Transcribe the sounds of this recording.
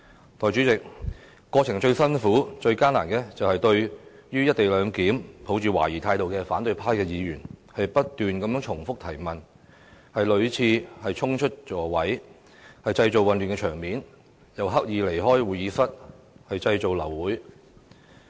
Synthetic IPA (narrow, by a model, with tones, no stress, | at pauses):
t̪ʰɔː˨jt͡ʃy˨˥t͡sɪ˨k̚ | kːɔː˧t͡sʰɪ˨˩ŋt͡ʃɵ˧ɥsɐ˥nfuː˨˥t͡ʃɵ˧ɥkaː˥na̰ː˨˩nkɛː˧t͡sɐ˨whɐ˨jt̪ɵ˧ɥjyː˥jɐ˥t̚t̪e˨jlœː˨˧ŋkiː˨˥mpʰo˨˥wt͡ʃyː˨wa̰ː˨˩jiː˨˩t̪ʰaː˧jt̪o˨wkɛː˧faː˨˥nt̪ɵ˧ɥpʰaː˥jkɛː˧jiː˨˧jyː˨˩nhɐ˨jpɐ˥t̚t̪yː˨nkɐ˨˥mjœː˨˥ŋt͡ʃʰʊ˨˩ŋfʊ˥k̚t̪ʰɐ˨˩jmɐ˨˩n | hɐ˨jlɵ˨˧ɥt͡sʰiː˧hɐ˨jt͡ʃʰʊ˥ŋt͡ʃʰɵ˥t̚t͡ʃɔː˨˩wɐ˨˥j | hɐ˨jt͡sɐ˧jt͡so˨wɐ˨nlyː˨nkɛ˧t͡ʃʰœː˨˩ŋmiː˨˥n | jɐ˨˩wɦɐ˥k̚jiː˨˧le˨˩jɦɔː˥jwuː˨˩jiː˨˥sɐ˥t̚ | hɐ˨jt͡sɐ˧jt͡so˨wlɐ˨˩wːuː˨˥j